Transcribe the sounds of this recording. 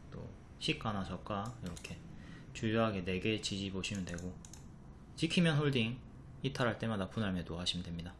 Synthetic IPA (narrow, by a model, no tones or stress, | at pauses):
t͈o̰ | ɕʰik͈anasʰʌk͈aiɾʌkʰe̞ | t͡ɕujuɦaɡe̞ne̞ɡe̞t͡ɕid͡ʑiboɕʰimɯndwe̞ɡo | t͡ɕikʰimjʌnɦoɭdiŋ | itʰaɾaɭt͈e̞madapunaɭme̞dohaɕʰimdwe̞mɲida